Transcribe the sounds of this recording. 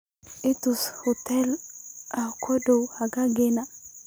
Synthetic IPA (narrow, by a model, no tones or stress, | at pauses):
ɪt̪ushut̪ɛlakʰodowhaɡaɡena